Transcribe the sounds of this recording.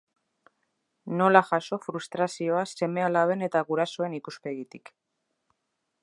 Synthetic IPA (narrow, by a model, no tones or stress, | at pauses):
no̞laʝaso̞fɾust̪ɾasio̞ase̞me̞alaβ̞e̞ne̞t̪aɣuɾaso̞e̞nikuspeɣit̪ik